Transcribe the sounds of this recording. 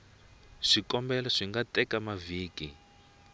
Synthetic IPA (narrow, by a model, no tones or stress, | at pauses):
ʂikɔmbɛlaʂiŋɡatɛkamaviːki